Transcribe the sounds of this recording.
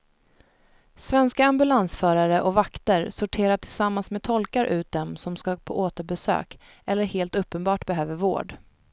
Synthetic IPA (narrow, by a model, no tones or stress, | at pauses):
svɛnskaambɵlansfœːɾaɾəʔɔvakt̪əɾsʊʈʰeːɾaʈʰɪlsamːansmeːd̚t̪ʰɔlkaɾʔʉ̟ːt̪̚d̪ɛmsɔmskapʰɔʔoːt̪əɾbɛsø̰ːk | ʔɛlːəɾheːlt̪ɵpːənbɑːʈbɛɦøːvəɾvo̰ːɖ